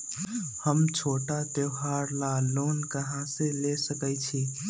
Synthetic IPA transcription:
həmt͡ʃʰoʈat̪eɦaɾlalonkəɦãsẽlesəkɛt͡ʃʰi

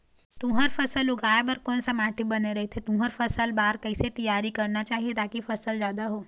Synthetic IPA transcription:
t̪ũɦəɾfɐsəlʊɡʱaːjbəɾkɔːnsamaːʈibɐneɾɐɦet̪ʰet̪ũːɦəɾfɐsəlbaːɾkəiset̪ɐjaːɾikɐɾnat͡ʃaːɦiet̪aːkifɐsəlzjaːd̪aɦoː

